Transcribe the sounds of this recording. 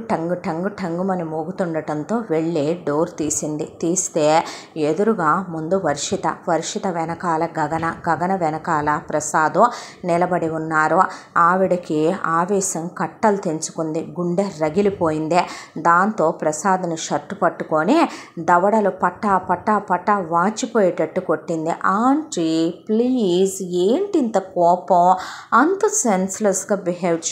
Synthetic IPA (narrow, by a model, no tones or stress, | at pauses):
ʈɐŋɡuʈɐŋɡuʈʰɐŋɡumɐnimoːɡut̪uɳɖɐʈɐnt̪o̞ːʋeɭːiɖoːɾt̪iːsind̪it̪iːst̪e̞ː | ed̪uɾuɡaːmund̪uʋɐɾʂit̪ɐ̰ʋɐɾʂit̪ɐʋɛnɐkaːlɐɡɐɡɐnɐɡɐɡɐnɐʋɛnɐkaːlɐpɾɐsaːd̪unilɐbɐɽiunːaːɾuaːʋiɽɐkiaːʋɛːʃɐmkɐʈːɐlut̪eɲt͡ʃu̥kund̪iɡuɳɖeɾɐɡilipo̞ːjind̪id̪aːnt̪o̞ːpɾɐsaːd̪ɐnuʃɐɾʈːupɐʈːukoːnid̪ɐʋɐɽɐlupɐʈːaːpɐʈːaːpɐʈːɐʋaːt͡ʃipoːjeʈɐʈːukoʈːind̪iʔaːɳʈɾiplizeːɳʈint̪ɐkɔːpɐmɐnt̪ɐsenslɐsɡaːbiɦel